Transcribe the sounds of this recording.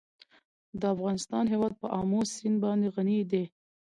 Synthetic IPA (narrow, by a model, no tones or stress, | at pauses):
d̪əafɣɑnɪst̪ɑnɦewɑd̪̚pəʔɑmosinbɑnd̪eɣanid̪e